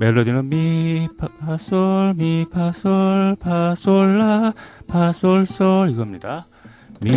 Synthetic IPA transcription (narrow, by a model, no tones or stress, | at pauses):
meɭːʌd̪inɯnmipʰpʰasʌɭmipʰasʌɭpʰasoɭːapʰasoɭs͈ʌɾiɡʌmɲida | mi